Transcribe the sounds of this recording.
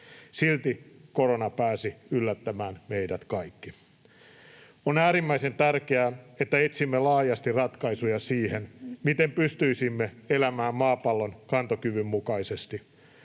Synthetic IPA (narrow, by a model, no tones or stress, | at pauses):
silt̪ikoɾonɑpæːsiylːæt̪ːæmæːnme̞idæt̪kɑikːi | onæːɾimːæise̞nt̪ærkeæːet̪ːæet̪simːelɑːjɑst̪irɑt̪kɑisujɑsiːhenmit̪empyst̪yisimːeelæmæːmmɑːpɑlːo̞nkɑnt̪okyʋymːukɑisest̪i